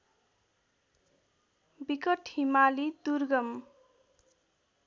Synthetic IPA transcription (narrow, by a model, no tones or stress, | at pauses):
bikʌʈhimalid̪urɡʌm